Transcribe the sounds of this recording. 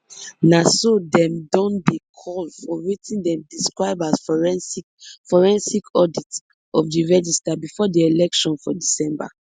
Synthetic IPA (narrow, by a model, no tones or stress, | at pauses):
nasodɛ̃mdɔ̃ndekʰɔlfɔwitʰĩndɛ̃mdiskɹaɪbasf | fɔɹɛ̃nsikʰɔdit | ɔfdiɹɛd͡ʒistabifɔdeelɛkʃɔ̃nfɔdisɛ̃mba̰